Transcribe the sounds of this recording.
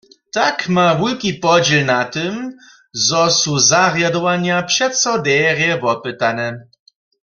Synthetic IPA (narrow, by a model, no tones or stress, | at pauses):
t̪akmavulkipɔd͡ʑilnat̪ɪm | zɔsuzaɣjad̪ɔwaɲapʂɛt̪sɔd̪ɛʁjɛvɔpɨt̪anɛ